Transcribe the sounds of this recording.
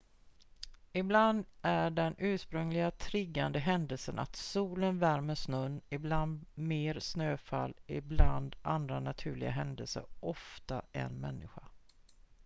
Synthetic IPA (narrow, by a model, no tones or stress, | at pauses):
ɪbland̪æɖɛnʉ̟ːʂpɾɵŋlɪɡat̪ʰɾɪɡːand̪əɦɛnd̪əlsəna̰t̪suːlənvæɾməʂnɵnːɪbland̪meːɾsnøːfa̰lːɪbland̪and̪ɾanat̪ʰʉ̟ːɭɪɡaɦɛnd̪əlsə̰ɾʔɔft̪aʔɛ̰nmɛnːɪɧa